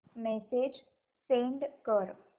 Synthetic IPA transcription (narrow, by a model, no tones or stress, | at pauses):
mesed͡ʒ | sẽːɳɖkəɾ